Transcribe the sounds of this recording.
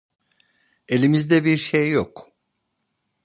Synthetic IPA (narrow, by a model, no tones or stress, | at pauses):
e̞lʲimizd̪ɛbiɾʃejːok